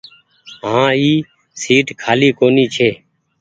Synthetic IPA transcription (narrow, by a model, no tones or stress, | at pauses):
ɦãːiː | siːʈkʰaːliːkoːniːt͡ʃʰeː